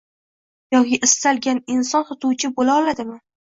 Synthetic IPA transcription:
jɒkʲʰɪʔɪst̪alɡʲanɪnsɒnhʊt̪ʰuwt͡ʃʰɪbolaɒlad̪ɪmɪ

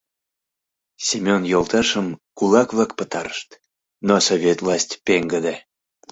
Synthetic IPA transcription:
sʲemʲonjolˠt̪ɑʃəmkulˠɑkβlɑk̚pət̪ɑɾəʃt̪ | nosovʲet̪vlˠɑsʲtʲpeŋɡəd̪e

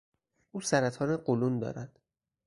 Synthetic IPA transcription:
ʔuːsæɾæt̪ʰɒːneɢolund̪ɒ̰ːɾæd̪̥

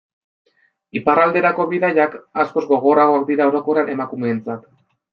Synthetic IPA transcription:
iparald̪e̞ɾako̞βiðaʎakasko̞zɡo̞ɣ̞o̞raɣo̞ak̚d̪iɾao̞ɾo̞ko̞ɾane̞makume̞ːnt͡sat̪

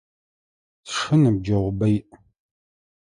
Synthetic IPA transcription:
sʂɨnɨb̚d͡ʒɐʁʷbɐjʔ

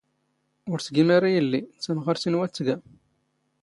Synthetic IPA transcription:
ʊɾsɡimaɾajəlːisənʁəɾsinwæt͡sːəɡæ

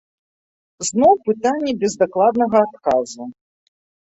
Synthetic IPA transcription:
znɔwpɨt̪anʲːɛbʲɛzd̪aklˠad̪nɐɣɐːt̪̚kazu

